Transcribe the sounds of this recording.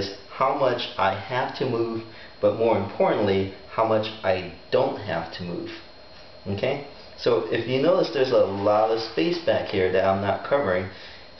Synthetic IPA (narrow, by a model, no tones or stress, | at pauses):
z̥ | haʊmʌt͡ʃʔaɪhæftʰɨmuv | b̥ʌt̚mɔɹɨ̃mpʰɔɹʔn̩ʔlihaʊmʌt͡ʃʔaɪd̥õʊ̃nt̚ɦæ̰ftʰəmṵv̥ | oʊkʰeɪ | soʊʔɪfjɨnoʊðɨsðə˞zəlɔɾʌv̥speɪsb̥ækhiɹðɨɾãɪ̃mnət̚kʰʌvə˞ɪ̃ŋ